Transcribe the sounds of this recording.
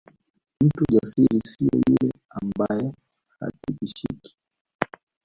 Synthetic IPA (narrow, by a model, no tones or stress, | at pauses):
m̩tuʄasiɾisiɔ̰julɛambajɛ | ha̰tiɓiʃiki̥